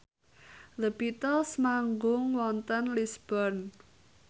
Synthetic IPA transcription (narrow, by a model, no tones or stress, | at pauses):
ləbit̪ɔsmaŋɡʊŋwɔnt̪ənlisb̥ɔrn